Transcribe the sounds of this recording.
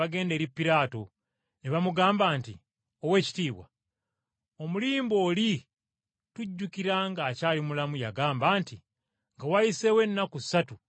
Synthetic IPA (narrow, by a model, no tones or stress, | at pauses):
aɡe̞ːnde̞ːɾipːiɾaːto̞ | neβamuɡaːmbaːnti | owe̞ːci̥tiːβwa̰ | o̞muliːmbo̞ːli | tuɟːukiɾaŋɡaːcaːlimulamujaɡaːmbaːnti | ŋɡawajise̞we̞nːakusːatu